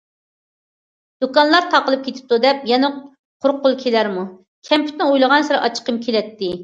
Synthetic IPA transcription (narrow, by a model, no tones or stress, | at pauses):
d̪̥ukɑnlˠɑɾt̪ʰɑqəlˠɨp̚kʲʰet̪ʰɪ̥p̚t̪ud̪ɛp̚jɛnɛ | qʰʊɾqːʊlˠkʲʰelæɾmu | kʲʰɛmpʰy̥t̪nɪojlˠəʁɑnsɪɾɨʔɑt͡ʃʰə̥qəmkʲʰelɛt̪ːɪ